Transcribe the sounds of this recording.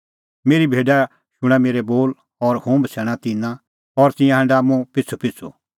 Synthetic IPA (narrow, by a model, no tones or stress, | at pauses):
meːɾibʱeːɖa | ʃʊɽ̃ameːɾɛboːl | ɔɾhũːbsɛːɽ̃at̪ɪnã | ɔɾt̪ɪ̃jãɦɛ̃ɳɖamũpɪt͡sʰːopɪt͡sʰo̰